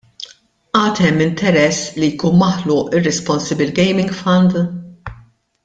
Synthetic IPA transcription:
ʔɐːt̪ɛmːɪnt̪ɛɾɛsːlijkuːnmɐħlʊːʔɪrːɛspɔnsɪbɪlɡɛjmɪŋɡfɐnd̪

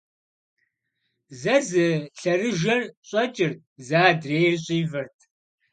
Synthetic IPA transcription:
zɐzɨɬɐrɨʒɐrɕʼɐt͡ʃʼɪr̚ | zaːdreːjrɕʼiːvɐrtʰ

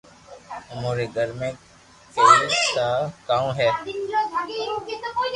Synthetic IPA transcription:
ʊmoːɾeɡʱəɾmẽː | ɪt̪aːkaːũːɦɛː

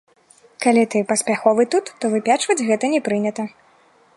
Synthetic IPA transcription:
kalʲit̪ɨpɐsʲpʲaxɔvɨt̪ut̪ːɔvɨpʲat͡ʂvɐd͡zʲɣɛt̪ɐnʲɛpɾɨnʲɐt̪ɐ

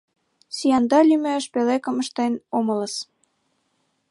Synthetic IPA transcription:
sijɑnd̪ɑlymøʃpelekə̆mə̆ʃt̪enomələs

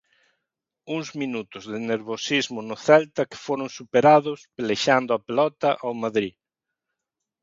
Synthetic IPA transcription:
uŋzminut̪ʊzðɪneɾβosizmʊnʊθɛlt̪ɐkɪ̥foɾʊŋsupeɾaðʊspeleʃand̪ʊɐpelɔt̪ɐʔawmaðɾi

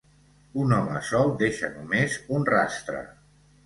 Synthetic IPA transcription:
unɔməsɔwd̪eʃə̰numezunra̰st̪ɾə̰

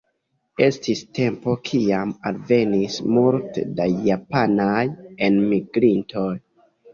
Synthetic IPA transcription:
e̞stiste̞mpo̞kʰiamalve̞nismultḛdajapanajenmiɡɾinto̞j

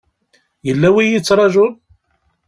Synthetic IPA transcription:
jəlːæwijit͡sːɾˤɑʒʊl

